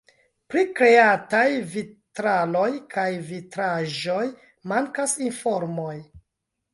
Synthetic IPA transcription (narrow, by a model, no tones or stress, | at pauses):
pɾikɾe̞atajvitɾalo̞jkʰajvitɾaʒo̞j | maŋkasinfo̞ɾmo̞j